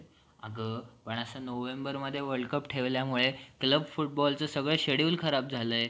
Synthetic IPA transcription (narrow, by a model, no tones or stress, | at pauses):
əɡəpəɳəsənoʋembəɾməd̪ʱːjeʋəɾɭɖkəpʈʰeʋljamuɭekləbfuʈ̚bɔlt͡səsəɡɭəɕeɽiuːlkʰəɾap̚d͡zʱaləje